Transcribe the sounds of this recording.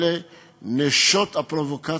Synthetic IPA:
le | neʃɔt̪apɾovoka

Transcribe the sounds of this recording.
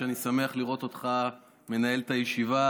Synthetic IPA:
eanisame̞aχliʁo̞t̪o̞t̪χa | me̞nae̞lt̪ajeʃiva

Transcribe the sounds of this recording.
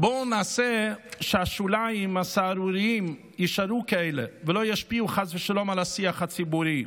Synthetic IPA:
bonaːsɛʃɪaʃulajimasaːɾuɾiim | jiʃaɾukaeɪlḛvəlojaʃpiuχasvəʃalomalasiaχhat͡sibuɾi

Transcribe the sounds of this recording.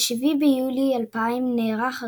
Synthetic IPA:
ʃivibejulialpaimneʁaχa

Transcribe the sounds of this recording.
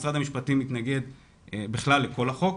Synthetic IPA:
sʁadamiʃpatimit̪naɡe̞d̪ | biχlalːeko̞laχo̞k

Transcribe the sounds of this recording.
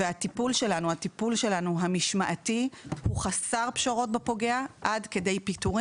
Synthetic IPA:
eatipulʃe̞lanuhatipulʃe̞lanuɦamiʃmaʔatihuχasaʁpʃoʁo̞t̚bepo̞ɡe̞aʔadke̞de̞jpituʁi

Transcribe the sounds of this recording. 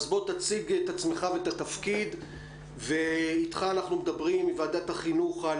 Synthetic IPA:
zbo̞t̪at͡siɡet̪at͡smeχavet̪atafkid̪ | veit̪χaːnaχnumed̪abʁimivaːd̪ataχinuχa

